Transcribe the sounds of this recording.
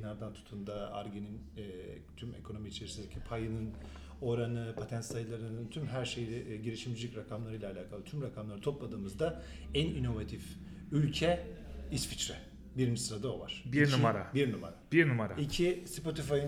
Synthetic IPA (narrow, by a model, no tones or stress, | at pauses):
inaɾd̪ant̪ʰu̥t̪ʰund̪aa̰ɾɟeninː | t̪ʰyme̞̰kʰo̞no̞miːt͡ʃʰe̞ɾisind̪ecʰipʰajɯnɯn | o̞ɾanɯpʰat̪ʰænt̪sajlˠaɾɯnɯnt̪ʰymɦæɾʃejlʲɛʔɟiɾʲiʃimd͡ʒilʲicɾakʰamlˠaɾɯjlʲˠaːlʲaːkʰalˠɯt̪ʰymɾakʰamlˠaɾɯt̪ʰo̞plˠad̪ɯːmɯzd̪a | ænino̞vat̪ʰif | ylʲcʰɛisfit͡ʃɾɛ | biɾmisɾad̪aova̰ɾ̥biɾnumaɾabiɾnuma̰ɾab̥iɾnumaɾaicʰispo̞t̪ʰifajɯ